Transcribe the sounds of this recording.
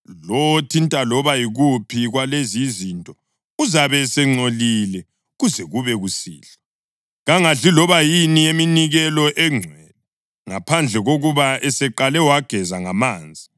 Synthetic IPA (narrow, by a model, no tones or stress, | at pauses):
lotʰintʼalɔβajiɣupʰiɣwalezizintʼɔ | uzaβɛsɛŋ͡ǀolilɛ | ɣuzɛɣuβɛɣusḭːlɛ | ɣaŋaɮilɔβajinieminiɣɛlɔʔɛŋ͡ǀʱwɛlɛ | ŋapʰand͡ɮʱɛɣoɣuβaɛsɛǃalɛwaɡ̥ʱɛzaŋamaːnd͡zʱi